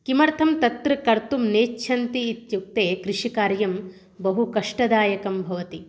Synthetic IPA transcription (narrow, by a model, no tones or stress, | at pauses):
kimɐɾt̪ʰɐmt̪ɐt̪ɾɨkɐɾt̪umneːt͡ʃːt͡ʃʰɐnt̪iːt̪juk̚t̪eːkɾiʂikaːɾjɐm | bɐɦukɐʂʈɐd̪aːjɐkɐmbʱɐʋɐt̪i